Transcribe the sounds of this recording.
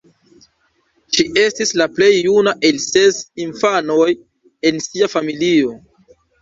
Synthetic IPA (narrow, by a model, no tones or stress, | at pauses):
ʃiʔe̞stislaple̞jːunaʔe̞lse̞sinfano̞j | e̞nsiafamilio̞